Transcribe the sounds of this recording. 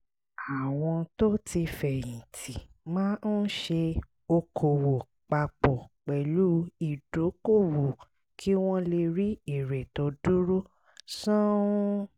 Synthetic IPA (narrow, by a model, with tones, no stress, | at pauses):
a˨w̃ɔ̃˧to˦ti˧fɛ˨jĩ˨tʰi˨ | mãː˦n̩˦ʃe˧ | o˧kʰo˨wo˨ | k͡pa˧k͡pɔ˨k͡pɛ˨lu˦i˦˨do˨˦ko˦˨wo˨ | kʰi˦w̃ɔ̃˦le˧ɾi˦i˦˨ɾɛ˨tɔ˨˦du˦ɾo˦ | sɔ̃˦